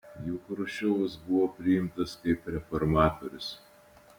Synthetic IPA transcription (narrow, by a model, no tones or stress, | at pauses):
juːkɾʊʃʲɛɐsbʊʋoːpʲɾʲɪjɪmt̪ɐskɐɪpɾʲɛfɔɾmɑːt̪oɾʲʊs